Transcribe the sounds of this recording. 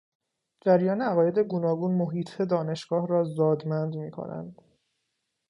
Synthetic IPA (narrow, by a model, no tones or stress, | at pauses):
d͡ʒæɾjɒːneæɣɒːje̞d̪e̞ɡonɒːɡuːnmoɦiːt̪ʰed̪ɒːne̞ʃɡ̥ɒːhɾɒːzɒːd̪mænd̪miːkʰo̰næ̰nd̪